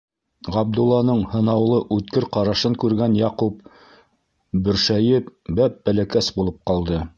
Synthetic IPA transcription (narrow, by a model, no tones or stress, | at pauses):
ʁɑb̚d̪ulˠːɑnɤɴhɤ̆nɑwlˠɤʔʉt̪kɘɾqɑɾɑʃɤŋkʉɾɡænjɑqup̚ | bɵ̆ɾʃæjɘpbæp̚bælækæsbulˠɤp̚qɑlˠd̪ɤ